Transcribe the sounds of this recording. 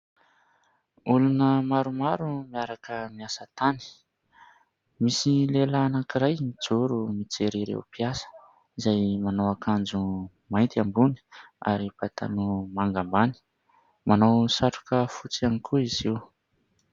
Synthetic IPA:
ulunəmaɾumaɾumiaɾakəmiasət̪ani̥ | misilelaːnakiɾajmid͡zuɾumit͡seɾiɾḛwpiasə̥ | izajmanowakand͡zu | majnt̪ambuni̥a̰ɾipat̪ʰa̰numaŋɡambani̥ | manowsaʈ͡ʂu̥kəfut͡sianikʰuiziw

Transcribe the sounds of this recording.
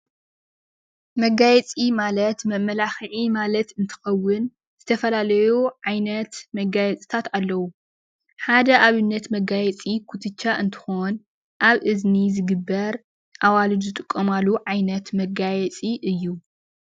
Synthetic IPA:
mɐɡajɛt͡sʼimalɐt̪mɐmɐlaxʕimalɐt̪ɨnt̪ʰɨ̥xɐwːɨn | z̥ɨt̪ʰɐfɐlalɐjuʕajnɐt̪mɐɡajɛt͡sʼi̥t̪ʰat̪alːɐwu | ħad̪ɐʔaβɨnːɐt̪mɐɡajɛt͡sʼikʰut̪ʰɨt͡ʃːaʔɨnt̪ʰɨ̥xo̞n | ʔaβʔɨznizɨɡɨbːɐɾ | ʔawalɨd͡ʒzɨt̪ʼɨkʼːomalːuʕajnɐt̪mɐɡajɛt͡sʼiʔɨjːu

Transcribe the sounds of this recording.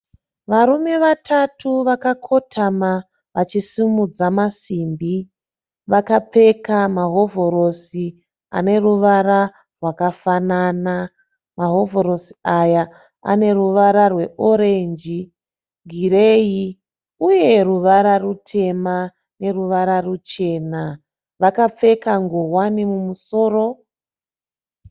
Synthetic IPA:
ʋaɾume̞ʋatʰatʰuʋakakʰo̞tʰama | ʋat͡ʃisimud͡zamasimbi | ʋakap͡fe̞kamaɦo̞voɾo̞si | a̰ne̞ruʋaɾa | rwakafanana | maɦo̞voɾo̞siaja | a̰ne̞ruʋaɾarwe̞ʔoɾe̞nd͡ʒi | ɡʱiɾe̞ji | uje̞ruʋaɾarutʰe̞ma | ne̞ruʋaɾarut͡ʃe̞ːna | ʋakap͡fe̞kaŋɡoɦwanimumuso̞ːro̞

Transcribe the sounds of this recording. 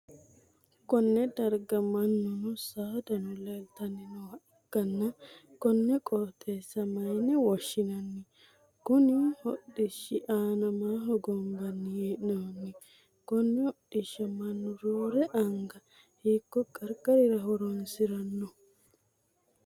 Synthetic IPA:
kɔnːɛd̪ɐɾɡɐmɐnːʊnʊsaːd̪ɐnʊlelt̪ɐnːɪnɔhɐʔ | kːɐnːɐkɔnːɛkʼɔɾt̪ʰʼeːsːɐmɐjnɛwɔʃːɪnɐnːɪ | kʊnɪhɔɗɪʃːɪʔaːnɐmaːɦɔɡɔmbɐnːɪjeːʔnonːɪ | kɔnːɛhɔɗɪʃːɐmɐnːʊɾoːɾɛʔɐŋɡɐ | hiːkːɔkʼɐɾkʼɐɾɪɾɐɦɔɾɔnsɪɾɐnːɔ

